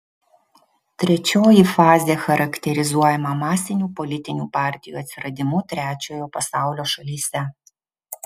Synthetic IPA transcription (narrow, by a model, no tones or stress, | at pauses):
t̪ʲɾʲɛt͡ʃʲoːjifɑːzʲeːxɐɾɐkt̪ʲɛɾʲɪzuɔjɛmɐmɑːsʲɪnʲuːpɔlʲɪt̪ʲɪnʲṵːpɑːˑɾʲt̪ʲɪjuːɐt̪sʲɪɾɐd̪ʲɪmʊt̪ʲɾʲæːt͡ʃʲoːjoːpɐsɑˑʊlʲoːʃɐlʲiːsʲɛ